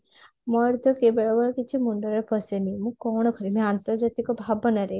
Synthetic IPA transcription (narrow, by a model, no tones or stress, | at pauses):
mɔɾd̪ʱɔkebəɭabəɭɔkit͡ʃʰimuɳɖəɾəɾpəsenimũkɔɽ̃ɔkʰəɾimẽant̪ɔɾd͡ʒat̪ikɔbʱabənaɾe